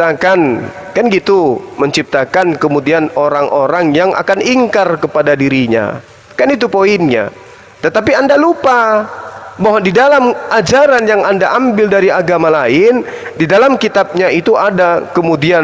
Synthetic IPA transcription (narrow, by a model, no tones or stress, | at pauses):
t̪akan | kanɡit̪uməɲt͡ʃip̚t̪akankəmudianoɾaŋʔoɾaŋjaŋʔa̰kaniŋkarkəpadadiɾiɲa̰ | kanit̪̬upoinɲa̰ | t̪ət̪apiandalupa | baɦwadidalamad͡ʒaɾanjaŋandaʔambɪldaɾiaɡamalaɪn | didalamkit̪ab̚ɲait̪uʔadakəmudia